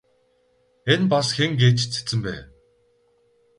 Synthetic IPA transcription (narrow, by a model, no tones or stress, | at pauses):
enpasxeŋɡeːt͡ɕt͡sʰe̥t͡sɘ̆mpæ̰ː